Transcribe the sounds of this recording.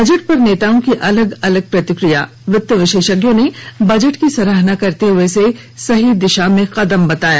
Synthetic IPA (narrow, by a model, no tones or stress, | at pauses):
bɐd͡ʒəʈ̚pɐɾneːt̪aːõkiʔɐləɡɐləɡ̚pɾɐt̪ɪkɾija̰ | ʋɾɪt̪ːəʋɪʃeːʃəɡjõnebɐd͡ʒəʈkisɐɾəɦnakɐɾt̪eɦʊese | sɐɦid̪ɪʃamẽqɐd̪əmbɐt̪aːja̰ː